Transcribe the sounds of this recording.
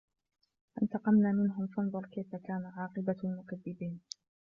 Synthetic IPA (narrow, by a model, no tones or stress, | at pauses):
ʔɪnt̪ɑqɑmnaːmɪnɦʊmfɑnðˤʊɾˤkajfakaːnaʕɑːqɨbamʊkaðːɪbiːn